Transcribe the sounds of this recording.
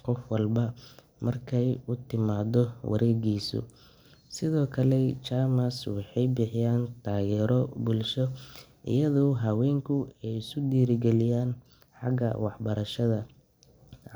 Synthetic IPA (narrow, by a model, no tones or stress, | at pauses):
qɔfwɑlbɐ | mɐrkʰɛjʊt̪ʰɪmaːd̪ɔwʔɐ̰ɾɛːɣiːsʊ̰ | sɪðɔːkʰɐlɛt͡ʃaːmɐswɑħɑjbɪħɪjaːnt̪ʰaːɣɛːɾɔbʊlʃɔʔɪ̰jɐðɔwɦɐwɛːŋkʰʊɛjɪskʊd̪iːɾɪɡɛlɪjaːn | ħɑɡɐ̰wɑħbɐɾɐʃɐðɐ